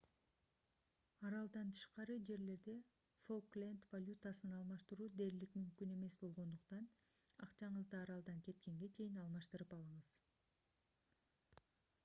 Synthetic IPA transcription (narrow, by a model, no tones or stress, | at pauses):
ɑɾɑlˠd̪ɑnt̪ʰɯ̥ʃqɑɾɯd͡ʒe̞ɾle̞ɾd̪e̞ | fo̞lˠklʲent̪valʲut̪asɯnɑlˠmɑʃt̪ɯɾuːd̪e̞ɾilikmymkyne̞me̞sbo̞lˠʁo̞nd̪uqt̪ɑn | ɑqt͡ʃɑɴɯzd̪ɯɑɾɑlˠd̪ɑŋkʰe̞t̪ke̞ŋɡe̞t͡ʃʰe̞jinɑlˠmɑʃt̪ɯɾɯpɑlˠɯɴɯz̥